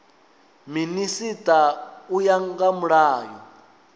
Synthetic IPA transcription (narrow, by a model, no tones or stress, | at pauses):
minisitʼaujaŋɡamuɺaːjɔ